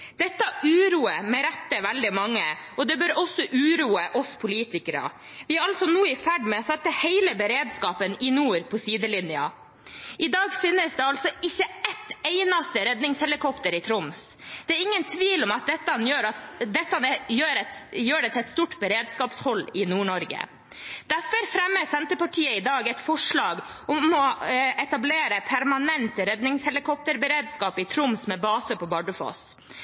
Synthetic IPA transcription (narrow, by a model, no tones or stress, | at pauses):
d̪ɛt̪ːɑʔʉːɾuːəmɛɾɛt̪ːəʋɛld̪ɪmɑŋːə | ɔd̪ɛbœɾɔsːɔʔʉːɾuːəʔɔspʰʊliːt̪ɪkəɾə̰ | ʋɪæɾɑlsɔnuːɪfæɖmɛɔsɛt̪ːəheɪləbəɾeːd̪skɑːpənɪnuːɾpʰɔsiːd̪əlɪnɪɑ̰ | ʔɪd̪ɑːɡfɪnːəsd̪ɛɑlt̪sɔɪçːəɛt̪ːeɪnɑst̪əɾɛd̪nɪŋshɛlɪkʰɔpt̪əɾɪt̪ʰɾɔms | d̪̥ɛːɾɪŋːənt̪ʰʋiːlɔmɑt̪̚d̪ɛt̪ːɑnjøːɾɑd̪ɛt̪ːɑnɛjøːɾɛt̪jøːɖɛt̪ʰɛt̪st̪uːʈbəɾeːd̪skɑːpshɔlːɪnuːɳɔɾɡə̰ | d̪̥æfɔɾfɾɛmːəsɛnt̪əpɑʈʰiːəɪd̪ɑːɡɛt̪fɔʂɭɑːɡ | ɔmɔɛt̪ɑbleːɾəpʰæɾmɑnɛnt̪əɾɛd̪nɪŋshɛlɪkʰɔp̚t̪əɾbəɾeːd̪skɑːpɪt̪ʰɾʊmsmɛbɑːsəpʰɔbɑɖəfo̰ːs